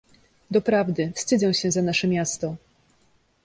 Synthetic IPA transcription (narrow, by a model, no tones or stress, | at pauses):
d̪ɔpɾavd̪ɘfst̪ɘd̪zɛw̃ɕɛzanaʂɛmʲjast̪ɔ